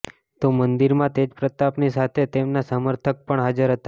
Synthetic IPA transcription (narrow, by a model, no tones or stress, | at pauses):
t̪omənd̪iɾmãt̪ed͡ʒpɾət̪apnisat̪ʰet̪emnasəməɾt̪ʰək̚pəɳɦad͡ʒəɾɦət̪a